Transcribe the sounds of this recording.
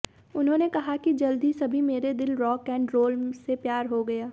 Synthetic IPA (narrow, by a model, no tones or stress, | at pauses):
ʊnɦõːnekɐɦakid͡ʒɐld̪isɐbʱimeːɾed̪ɪlɾɔːkɛ̃ːɳɖɾoːlsepjaːɾɦoɡɐjaː